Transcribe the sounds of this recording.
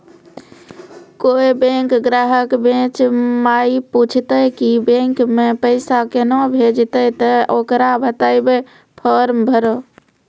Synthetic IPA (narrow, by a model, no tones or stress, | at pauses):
koebẽŋkɡɾaɦəkbẽt͡ʃmajiput͡ʃʰt̪əjkibẽŋkmepəɪsakenobʱed͡ʒt̪ət̪əʔokɾabʱət̪ajbe | pʰəɾmbʱəɾo